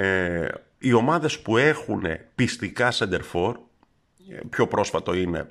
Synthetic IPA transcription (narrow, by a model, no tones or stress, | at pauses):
e | io̞mɐðe̞spue̞xune̞̰pist̪ikɐsɐnd̪e̞ɾfo̞ɾ | pço̞pɾo̞sfɐt̪oine̞̰